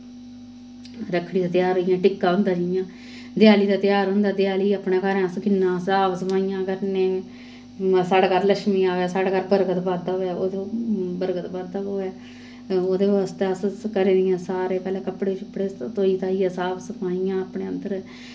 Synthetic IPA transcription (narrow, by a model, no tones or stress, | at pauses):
ɾəkʰːɽiːd̪aːt̪jaːɾəijãːʈɪkːaːʊnd̪aːd͡ʒəɪjãː | d̪ɪjaːliːd̪aːt̪ɪjaːɾɦʊ̃nd̪aːd̪jaːliːaːpnãːkaːɾɛ̃ːsɡɪnːãːsaːbsəpaːijãːkəɾnẽː | saːɽkaːɾləʃmiːaːʋɛːsaːɽkaːɾbəɾɡət̪baːɾd̪aːɛːoːd̪obəɾɡət̪baːd̪aːoːɛː | oːd̪eːʋaːst̪eəskəɾẽːd̪ɪjãːsaːɾeːkəlɛːkəpɽeːt͡ʃəpːɽeːt̪oːiːt̪aːiːãːsaːbsəpãːijãːəpɽeːənd̪əɾ